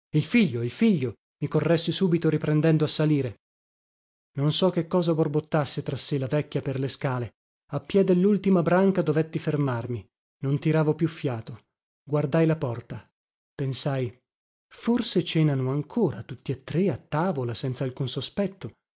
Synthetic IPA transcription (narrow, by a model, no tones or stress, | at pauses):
ilfiʎːoilfiʎːo | mikorːɛsːisuːbit̪oɾipɾɛnd̪ɛnd̪oasːaliːɾe | nonsɔk̟ːekːɔːzaborbot̪ːasːet̪ɾasːelavɛkːjaperleskaːle | apːjɛd̪elːult̪imabɾaŋkad̪ovɛt̪ːifermarmi | nont̪iɾaːvopjufːjaːt̪o | ɡward̪ajlapɔrt̪a | pensaj | forset͡ʃɛːnanoaŋkʰoːɾat̪ut̪ːiat̪ːɾeat̪ːaːvolasɛnt̪salkunsospɛt̪ːo